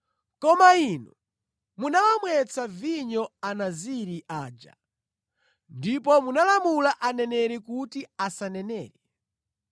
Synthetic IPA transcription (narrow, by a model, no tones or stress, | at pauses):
kɔmainu | munawamwɛt͡sʰaviɲɔanaziɾiʔaːd͡ʒa̰ | ndip̬ɔmunalamulaʔanɛnɛɾɛkutiasanɛnɛːɾɛ